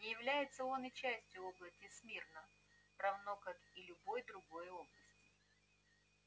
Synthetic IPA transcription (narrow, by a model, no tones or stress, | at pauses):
nʲɪjɪvlʲæjɪt̪səo̞nɨt͡ɕæsʲtʲjʊoblˠəsʲtʲɪsmʲirnə | pɾɐvnokakilʲʊbo̞jd̪ɾʊɡo̞jo̞blˠəsʲtʲɪ̥